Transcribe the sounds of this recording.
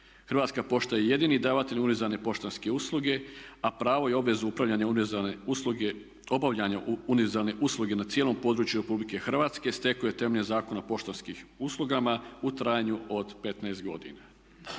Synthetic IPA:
xr̩ʋaːt̪skapo̞ʃt̪ajeje̞d̪inid̪aʋat̪eʎʲunizane̞po̞ʃt̪onske̞uslˠuɡe̞apɾaːʋo̞jeo̞bʋe̞zuupɾaʋʎaɲa | o̞baʋʎaɲaunieɾzalne̞ʔuslˠuɡe̞nat̪sjelo̞mpo̞d̪ɾuːt͡ɕjuɾe̞publike̞xrʋaːt̪ske̞st̪e̞kuje̞t̪e̞meʎezaːko̞napo̞ʃt̪onskiuslˠuɡamaut̪ɾaːjaɲuo̞d̪pe̞t̪naest̪ɡo̞̰d̪ḭna

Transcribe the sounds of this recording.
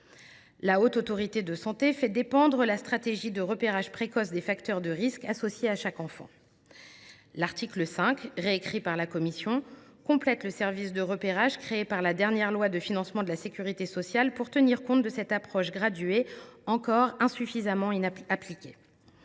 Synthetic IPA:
laot̪ot̪ɔʁit̪ed̪əsɑ̃t̪efɛd̪epɑ̃d̪ʁəlast̪χat̪eʒid̪əʁəpeʁaʒpχekɔsd̪efakt̪œʁd̪əʁiskasɔsjeaʃakɑ̃fɑ̰̃ | laʁt̪ikləsɛ̃kʁeːkχipaʁlakɔmisjɔ̃kɔ̃plɛt̪ləsɛʁvisd̪əʁəpeʁaʒkχeːpaʁlad̪ɛʁnjɛʁlwad̪əfinɑ̃smɑ̃d̪əlasekʲyʁit̪esɔsjalpuʁt̪əniʁkɔ̃t̪̚d̪əsɛt̪apχɔʃɡʁad̪ɥeɑ̃kɔʁɛ̃syfizamɑ̃inaplikʲe

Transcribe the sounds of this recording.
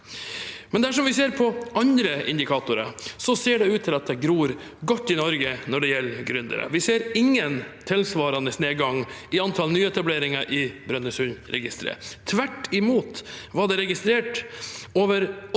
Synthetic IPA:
mɛnd̪æʂɔmʋɪseːɾpʰɔʔɑnd̪ɾəʔɪ̰nd̪ɪkʰɑːt̪ʊɾə̰sɔseːɖɛʉːt̪t̪ʰɪlɑt̪̚d̪ɛɡɾuːɾ | ɡɔt̪ːɪnɔɾɡənɔɖɛjɛlːɡɾʉnd̪ə̰ɾə̰ʋɪseːɾɪŋːənt̪ʰɪlsʋɑːɾɑnəsneːɡɑŋɪɑnt̪ʰɑlnyːɛt̪ɑbleːɾɪŋɑʔɪbɾœnːəsʉnɾɛ̰ɡɪst̪ɾə̰t̪ʰʋæʈːɪmuːt̪ʋɑɖɛɾɛɡɪst̪ɾeːʈoːʋəɾ

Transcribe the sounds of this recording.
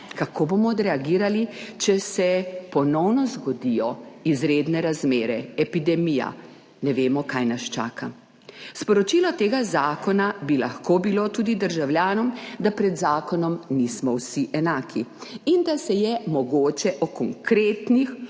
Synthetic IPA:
kakʰobomɔd̪ɾɛaɡiːɾalit͡ʃɛsɛpɔnɔwnɔzɡɔd̪ijɔizɾeːd̪nɛɾazmeːɾɛɛpid̪ɛmija̰ | nɛʋeːmɔkajnast͡ʃa̰ːka | spɔɾɔt͡ʃilɔt̪eːɡazaːkɔnabilaxkoːbilot̪uːd̪id̪əɾʒawljaːnɔmd̪apɾɛd̪zaːkɔnɔmnismɔwsiʔɛnaːkʰiind̪asɛjɛmɔɡoːt͡ʃɛʔɔkɔŋkɾeːt̪nix

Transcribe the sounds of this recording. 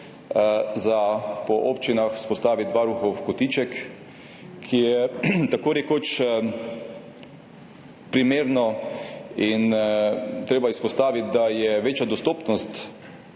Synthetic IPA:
zapɔʔoːpt͡ʃinaxspɔst̪aːʋit̪d̪ʋaɾuxɔwkɔt̪iːt͡ʃɛk | kʰːijɛt̪akoːɾɛkoːt͡ʃ | pɾimeːɾnɔ | in | t̪ɾeːbaispɔst̪aːʋit̪̚d̪ajɛʋeːt͡ʃjad̪ɔst̪oːpnɔst̪

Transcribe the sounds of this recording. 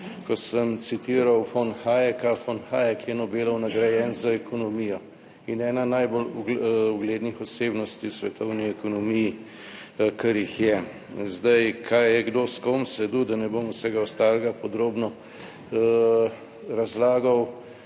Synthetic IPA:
kɔsəmt̪sit̪iːɾawfonxajɛkafonxaːjɛkjɛnɔbeːlɐwnaɡɾajɛnzaɛkɔnɔmijɔ | inɛːnanajboluɡleːd̪nixɔseːbnɔst̪iwsʋɛt̪ɔwniɛkɔnɔmiji | kɐɾjixjɛ | zd̪ajkʰajjɛɡd̪oːskomsɛd̪ud̪anɛbomusɛɡawst̪aːlɛɡapɔd̪ɾoːbnɔ | ɾazlaːɡɐw

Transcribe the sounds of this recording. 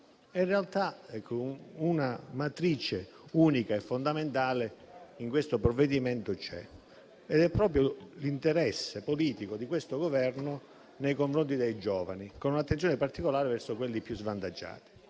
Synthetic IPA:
inrealt̪aɛkʰːounamat̪ɾit͡ʃe | uːnikaɛfːond̪ament̪aːle | iŋkwest̪opɾɔvːed̪imɛnt̪ot͡ʃɛ̰ | ed̪ɛpːɾɔːp̬ɾjolint̪eɾɛsːepoliːt̪ikod̪ikwest̪oɡovɛrnʊ | nejkoɱfɾont̪id̪ejd͡ʒɔːva̰nikonunat̪ːent̪sjonɪpart̪ikolaːɾevɛrsokwelːipːjuzvant̪ad͡ʒːa̰ːt̪i̥

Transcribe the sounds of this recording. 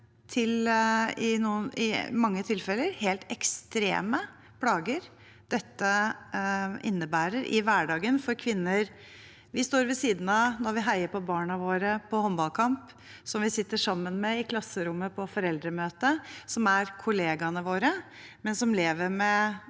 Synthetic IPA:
t̪ʰɪlɪnuːənɪ̰mɑŋːət̪ʰɪlfɛləɾheːlt̪ɛkst̪ɾḛːmə | pʰlɑːɡəɾ | d̪̥ɛt̪ːə | ʔɪ̰nːəbæːɾəɾʔɪ̰ʋæɖɑːɡənfɔɾkʰʋɪnːəɾ | ʋɪst̪oːɾʋɪsiːd̪n̩ɑnɔɾʋɪɦæɪəpɔbɑːɳɑʋoːɾəpʰɔhɔmbɑlkʰɑmp | sɔmʋɪsɪt̪ːəʂɑmːənmɛɪkʰlɑsːəɾʊmːəpʰɔfɔɾɛld̪ɾəmøːt̪əsɔmæɾkʰʊleːɡɑnəʋoːɾəmɛnsɔmleːʋəɾmɛ

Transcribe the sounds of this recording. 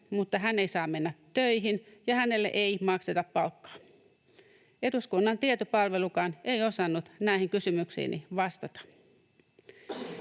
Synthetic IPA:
mut̪ːɑɦænːeisɑːmenːæt̪ːøiɦinjɑhænelːḛʔeimɑkset̪ɑppɑlkːɑ̥ː | eduskunːɑnt̪iet̪opɑlʋelukɑːnʔeio̞sɑnːut̪næihiŋkysymyksḭːnʔḭʋɑst̪ɑt̪ɑ̥

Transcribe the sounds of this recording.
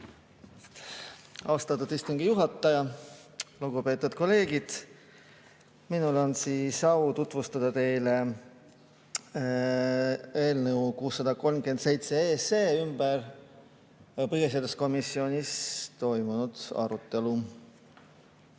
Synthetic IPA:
ɑwst̪ɑt̪ːˑud̪ist̪uŋɡijuɦɑt̪ːˑɑjɑ | luɡupe̞ːt̪ːˑud̪̥̚ko̞le̞ːɡid̪̥ | minulo̞nsiːsɑut̪ut̪vust̪ɑd̪̥ɑt̪e̞jle̞ | e̞ːlnə̞wkuːsːɑd̪̥ɑko̞lmke̞nd̪se̞jt̪seeːseːymb̥ər | pɤɡesiɑd̪usko̞misːio̞nʲist̪o̞jmunud̪̥ɑ̰ɾut̪ːe̞lu

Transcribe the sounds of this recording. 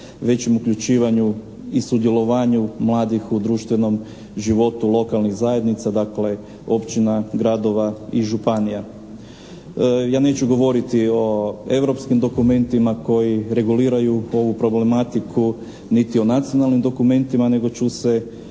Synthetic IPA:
ʋe̞t͡ɕemukʎut͡ʃiːʋaɲu | isud̪je̞lo̞ʋaːɲumlˠaːd̪ixud̪ɾuːʃt̪ʋe̞no̞m | ʒiʋo̞t̪ulˠo̞kalˠnixzaje̞d̪nit̪sad̪akle̞ | o̞pt͡ɕinaɡɾad̪o̞ʋaiʒupanija | jaːne̞ːt͡ɕuɡo̞ʋo̞ɾit̪io̞e̞ʋɾo̞pskimd̪o̞kume̞nt̪imako̞jiɾe̞ɡuliːɾajuo̞ʋupɾo̞ble̞mat̪ikʰu | nit̪io̞nat̪sio̞nalnimd̪o̞kume̞nt̪imane̞ɡo̞t͡ʃuse̞

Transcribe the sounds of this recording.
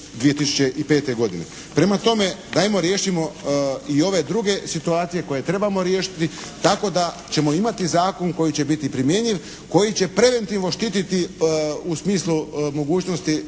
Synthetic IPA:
d̪ʋije̞t̪isu̥t͡ɕe̞ʔipeːt̪eɡo̞d̪inḛ | pɾe̞mat̪o̞me̞d̪ajmo̞ɾje̞ːʃimo̞io̞ʋe̞d̪ɾuɡe̞sit̪uaːt̪sije̞ko̞je̞t̪ɾe̞bamo̞ɾje̞ːʃi̥t̪it̪ako̞d̪a | t͡ɕe̞mo̞imat̪izaːko̞ŋko̞jit͡ɕe̞bit̪ipɾimje̞ɲiʋ | ko̞jit͡ɕe̞pɾe̞ʋe̞nt̪iʋno̞ʃt̪it̪it̪iusmiːslˠumo̞ɡuːt͡ɕnost̪i

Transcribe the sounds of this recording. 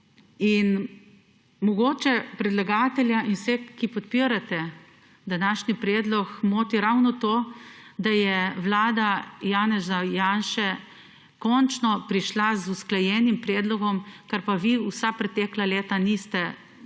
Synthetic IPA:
in | mɔɡoːt͡ʃɛpɾɛd̪laɡaːt̪ɛljainsɛkipɔt̪̚piɾat̪ɛ | d̪anaːʃnipɾɛːd̪lɔkmoːt̪iɾawnɔt̪oːd̪ajɛʋlaːd̪ajaːnɛzajaːnʃɛ | kɔnt͡ʃnɔpɾiʃlazusklajɛːnimpɾɛːd̪lɔɡɔmkaɾpaʋiusapɾɛt̪ɛːklaleːt̪anist̪ɛ

